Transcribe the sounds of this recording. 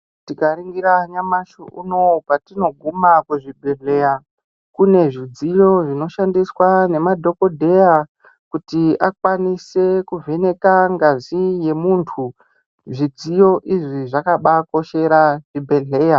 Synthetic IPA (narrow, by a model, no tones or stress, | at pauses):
tikaɾiŋɡiɾaɲamaʃoʔṵno̞patino̞ɡʱumakuʐibʱe̞ɮe̞ja | kune̞ʐid͡zijo̞ʐino̞ʃandiswane̞madʱo̞ko̞dʱe̞ja | kutiʔakwanise̞kuve̞ne̞kaŋɡazije̞muːntʰu | ʐid͡zijo̞ʔiʐiʐakaɓako̞ʃe̞ɾaʐibʱe̞ɮe̞ːja